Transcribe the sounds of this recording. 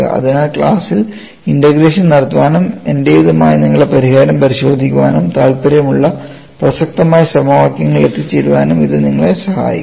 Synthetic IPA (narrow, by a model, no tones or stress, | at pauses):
ɐ̰ɐ̰ðinaːɭkɭaːsil | indɐɣɾeːʂɐnnɐɽɐt̪ːuʋaːnume̞ndejiðɐmaːjɐniŋːɐɭepɐɾiɦaːɾɐmpɐɾiɕo̞ːd̪ʱikʲːuʋaːnumt̪aːlpɐɾjɐmuɭːɐ | prɐsɐk̚t̪ɐmaːjɐsɐmɐʋaːkjɐŋːɐɭe̞t̪ːit͡ɕːeɾuʋaːnumiðɨniŋːɐɭesɐha̰ːjḭkː